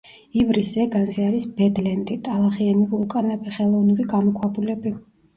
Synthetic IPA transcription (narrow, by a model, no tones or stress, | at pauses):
ivɾisɛɡanziaɾisbɛd̪lɛnd̪it̪ʼalˠaχianivukʼanɛbiχɛlˠɔvnuɾiɡamɔkʰwabulɛbi